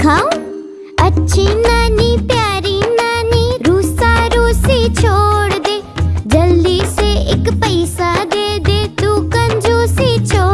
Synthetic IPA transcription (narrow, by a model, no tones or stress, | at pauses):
kʰãːõ | ətːʃʰiːnaːniːpjaːɾiːnaːniːɾuːsaːɾoːsiːt͡ʃʰoːɽd̪eːd͡ʒəld̪iːseɪkpəɪsad̪eːd̪eːd̪uːkənd͡ʒoːsiːt͡ʃʰoː